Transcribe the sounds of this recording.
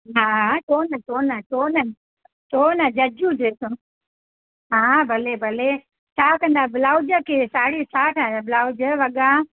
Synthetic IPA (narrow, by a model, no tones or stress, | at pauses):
ɦaːʈoːnəʈoːnəʈoːnə | ʈoːnəd͡ʑɐd͡ʒuteːsõ | ɦaːbʱɐlebʱɐle | t͡ʃʰaːkə̃nd̪aːbɪlaːʊd͡ʒəkʰeːsaːɽisaːʈʰãbɪlaːʊd͡ʒəʋɐɠa